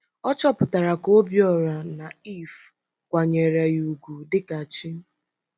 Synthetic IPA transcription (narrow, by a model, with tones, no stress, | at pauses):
ɔ˦t͡ʃɔ˦pʊ˨ta˨ɾa˨ko˦bjɔ˨ɾa˨na˨i˦˨f | kʷa˨ɲe˨ɾa˨ju˨ɡu˨dɪ˦ka˨t͡ʃi˦